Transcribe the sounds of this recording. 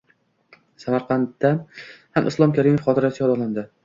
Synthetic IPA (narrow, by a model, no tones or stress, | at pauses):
samaɾqʰɑnt̪ːahamʔɪ̰slˠɒmkʲʰaɾimofχɒt̪ʰɪɾat̪ɪjɒd̪ɒland̪ɪ